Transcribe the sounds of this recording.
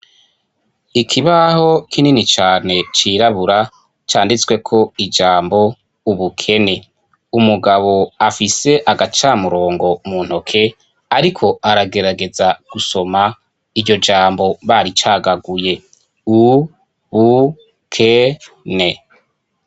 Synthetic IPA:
ikʰiβaho̞kʰininit͡ʃaːne̞t͡ʃiːɾaβuɾa | t͡ʃaːndit͡swe̞kʰo̞id͡ʒaːmbo̞ | uβukʰe̞ne̞ | umuɡaβo̞afise̞ʔaɡat͡ʃaːmuɾo̞ːŋɡo̞mun̥o̞kʰe̞ | aɾikʰo̞ʔaɾaɡe̞ɾaɡe̞zaɡ̥uso̞ma | iɾɟo̞d͡ʒaːmbo̞βaɾit͡ʃaːɡaɡuje̞ | u | βu | kʰe | ne

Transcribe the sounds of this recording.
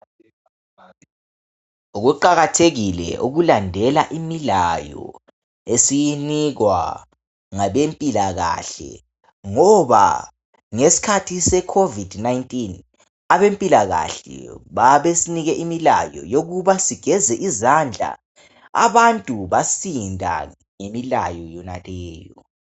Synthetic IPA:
uɣuǃaɣatʰeɣilɛ̰ʔuɣulandʱɛlaʔimilajɔ̰ | esijiniɣwa̰ | ŋaβempʼilaɣa̰ɬɛ̰ | ŋɔβa̰ | ŋesi̥kʰatʰisɛkʰovidnajntʼin | aβempʼilaɣa̰ɬɛ̰βaβesiniɣɛʔimila̰jɔ̰joɣuβasiɡ̥ʱɛzɛʔizand͡ɮʱa̰ | a̰βantʼuβasindʱa̰ | ŋemila̰jɔjɔna̰lɛːjɔ

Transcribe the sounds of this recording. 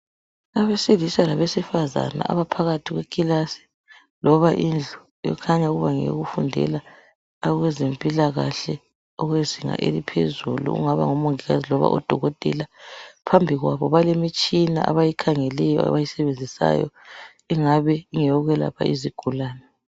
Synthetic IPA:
aβesilisalaβesifaza̰na̰a̰βapʰaɣatʰiɣwekʰʼilasi̥ | lɔβaʔind͡ɮʱu | jɔ̰kʰaɲauɣuβaŋḛɣufundʱɛ̰laː | ɣwɛzempʼilaɣa̰ɬɛ | ɔɣweziŋa̰ʔḛlipʰḛzulṵṵŋaβa̰ŋɔmoŋiɣazilɔβa̰ʔɔd̥ʱɔɣɔtʼɛ̰lapʰambʱiɣwaβɔβalemit͡ʃʼina̰ʔa̰βajikʰaŋɛlɛjɔa̰βajisɛβend͡zʱisa̰jɔ̰ | ɛŋaβɛiŋɛjɔɣɛla̰pʰa̰ʔiziɡ̥ʱulaːnɛ

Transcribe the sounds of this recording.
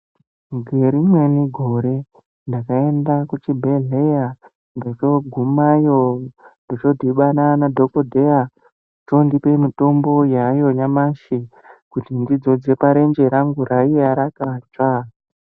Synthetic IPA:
ɡʱeɾimwe̞niɡʱoɾe̞ | ndakae̞ndakut͡ʃibʱeɮeja | ndot͡ʃoɡʱumaijondot͡ʃo̞dʱiɓananadʱokodʱeja | utondipe̞mito̞mbo̞jajo̞ɲamaʃi | kutindid͡zo̞d͡ze̞paɾe̞nd͡ʒe̞ɾaŋɡuɾaiaɾakat͡ʃa

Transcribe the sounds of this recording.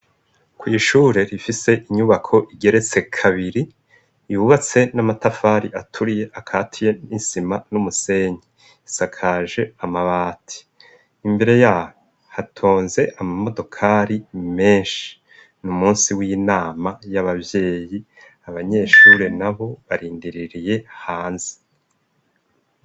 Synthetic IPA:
kwiːʃuːɾe̞ɾifise̞ʔiɲuβakʰo̞ʔiɡe̞ɾe̞t͡se̞kʰaβiɾiː | juβat͡se̞namatafaːɾiʔatʰuɾije̞ʔakʰaːtʰije̞isimanumuse̞ɲe | isakʰaːʒe̞amaβaːtʰi̥ː | mbe̞ɾe̞jaːho | hatʰo̞ːnze̞ʔamamo̞do̞kʰaɾime̞ːnʃi̥ | numuːnsiwiːnaːmajaβabje̞ːji | aβaɲe̞ʃuɾenaβo̞βaɾiːndiɾiɾije̞haːnzi̥

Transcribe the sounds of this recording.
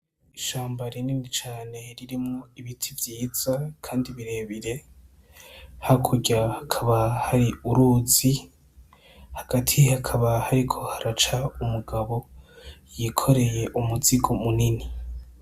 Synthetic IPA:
iʃaːmbaɾininit͡ʃaːne̞ɾiɾimŋoiβitʰivjiːz̥akʰaːndiβiɾe̞ːβiɾe̞ | hakʰuɟahakʰaβahaɾiuɾuzi | haɡ̥atʰihakʰaβahaɾikʰo̞haɾat͡ʃaumuɡaβo̞jikʰo̞ɾe̞je̞ʔumuziɡomunini

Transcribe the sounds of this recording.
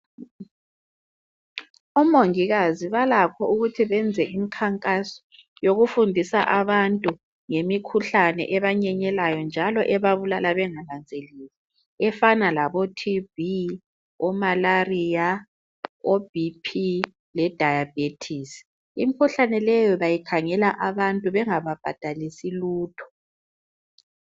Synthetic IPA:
ɔmoŋiɣaziβalakʰɔuɣutʰiβɛnd͡zʱɛʔimikʰaŋkʼasɔ̥ | joɣufundʱisaʔaβantʼu | ŋemikʰuɬanɛ̰ʔɛβaɲɛɲɛlajɔnd͡ʒʱalɔʔɛβaβulalaβɛŋaland͡zʱeliːzi | ɛfanalaβɔtʰivi | ɔmalarija | ob̥ʱipʰi | lɛd̥ʱajab̥etʰis | imikʰuɬanɛlɛjɔβajikʰaŋɛlaʔaβantʼuβɛŋaβab̥ʱad̥ʱalisiluːtʰɔ̥

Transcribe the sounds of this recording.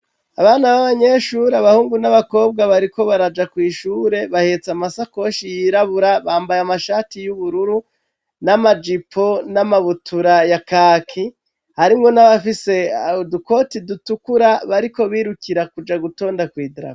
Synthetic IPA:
aβaːnaβaβaɲe̞ʃuːɾeaβahuːŋɡunaβako̞ːb̚ɡaβaɾiko̞βaɾad͡ʒakwiːʃuːɾe̞βahe̞t͡samasako̞ʃijiɾaβuɾaβaːmbajamaʃaːtijuβuɾuɾu | namad͡ʒipʰo̞namaβutʰuɾajakakʰi | haɾimŋonaβafise̞aoduko̞tidutukuɾaβaɾiko̞βiːɾukiɾakud͡ʒaɡuto̞ːndakwiːdɾa̰

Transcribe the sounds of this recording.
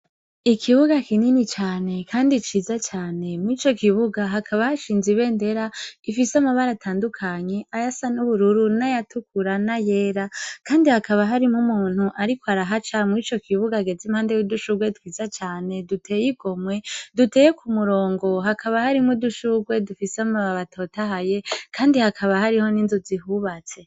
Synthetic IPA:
ikʰiβuɡakininit͡ʃaːne̞kʰaːndit͡ʃiːzat͡ʃaːne̞mwit͡ʃo̞kiβuɡaɦakʰaβahaʃiːnziβe̞ːnde̞ɾaifisamaβaɾatʰaːndukʰaɲe̞ʔajasanuβuɾuɾunajatukʰuɾanaje̞ːɾakaːndihakʰaβaɦaɾimumuːn̥huʔaɾikoaɾaɦat͡ʃamwit͡ʃo̞kʰiβuɡaɡe̞zimhaːndejuduʃuɡwe̞twiːzat͡ʃaːne̞dutʰe̞ːjiɡo̞mwe̞dute̞ːjekʰumuɾo̞ːŋɡo̞ɦakʰaβahaɾimuduʃuɡwe̞dufisamaβaβatʰo̞ːtaɦaje̞kʰaːndihakʰaβahaɾiho̞ninzoziɦuβat͡se̞

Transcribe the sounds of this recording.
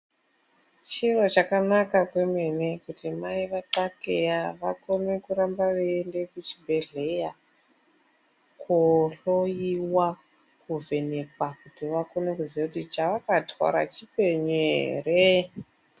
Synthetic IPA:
t͡ʃirot͡ʃakanakakwe̞menekutimaiʋaǃakejaʋako̞ne̞kuɾambaʋeːnde̞kut͡ʃibʱe̞ɮe̞ja | koɬojiwa | kuvʱe̞ne̞kwakutiʋako̞ne̞kuziekutit͡ʃaʋakatʰwa̰ɾa̰t͡ʃipe̞ɲḛre

